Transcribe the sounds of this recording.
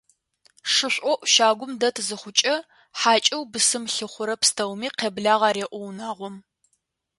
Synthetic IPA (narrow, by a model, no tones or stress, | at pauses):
ʂɨɕʷʼɔʔʷʃaːɡʷʊmdɐtʰzɨχʷʊt͡ʃʼɐ | ħaːt͡ʃʼɐwbɨsɨmɬɨχʷʊɾɐpstʰɐwmiːqeːbɮaːʁɑːɾeːʔʷɔwnaːʁʷɔm